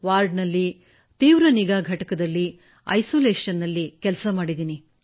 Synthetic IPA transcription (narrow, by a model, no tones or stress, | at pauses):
ʋaːɾɖnɐlːi | t̪iːʋɾɐniɡaːɡʱɐʈɐkɐd̪ɐlːi | ɐ̰jsoːleːʂɐnːɐlːikɛlsɐmaːɽid̪iːni